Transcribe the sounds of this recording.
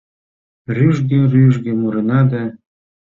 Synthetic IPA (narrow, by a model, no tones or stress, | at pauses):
ryʒɡĕryʒɡĕmuɾenɑd̪ɑ